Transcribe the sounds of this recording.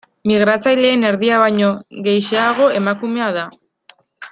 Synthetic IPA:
miɣɾat͡sajle̞ːne̞ɾðiaβajɲo̞ɣe̞jʃeaɣ̞o̞e̞makume̞að̞a

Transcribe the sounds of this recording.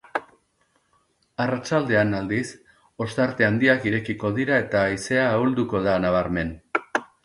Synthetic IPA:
arat͡ʃald̪e̞anald̪is | o̞st̪aɾt̪e̞and̪iakiɾe̞kiko̞ðiɾae̞t̪ajise̞aːuld̪uko̞ðanaβ̞aɾme̞n

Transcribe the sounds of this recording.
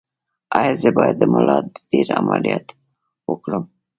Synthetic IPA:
ajazebɑjad̪ːəməlɑt̪̚d̪əd̪iɾamalijat̪ | wəkɽum

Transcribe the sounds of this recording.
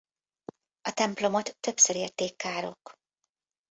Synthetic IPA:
ɒt̪ɛmplo̞mo̞t̪ːø̞psøɾeːrt̪eːkːaːɾo̞̰k

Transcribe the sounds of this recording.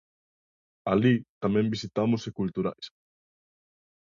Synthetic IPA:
alit̪amɛ̃mbisit̪amʊsekult̪uɾa̰js

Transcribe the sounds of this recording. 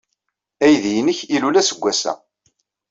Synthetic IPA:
æjðjənəçilulæsəɡʷːæsæ̰

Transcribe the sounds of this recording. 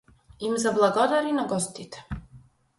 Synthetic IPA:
imzablˠaɡɔd̪aɾinaɡɔst̪it̪ʰɛ̥

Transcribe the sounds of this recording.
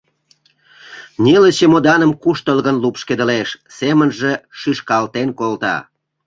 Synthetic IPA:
nʲelət͡ɕemod̪ɑnəmkuʃt̪əlɣənlupʃked̪əleʃsemənʒeʃiʃkɑlt̪enkolt̪ɑ̰

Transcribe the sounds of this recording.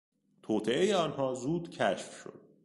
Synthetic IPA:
t̪ʰoːt̪ʰeʔejeɒːnhɒːzuːd̪cʰæʃfʃo̰d̪̥̚

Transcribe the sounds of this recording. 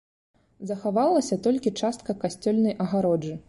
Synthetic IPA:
zɐxavalˠɐsʲɐt̪ɔlʲkʲit͡ʂast̪kɐkasʲt͡sʲɔlʲnɐjʔɐɣaɾɔd͡ʐɨ

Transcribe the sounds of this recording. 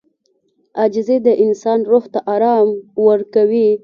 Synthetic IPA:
ad͡ʒzed̪əʔɪnsɑnɾoxt̪aʔɑɾɑmwəɾkawi

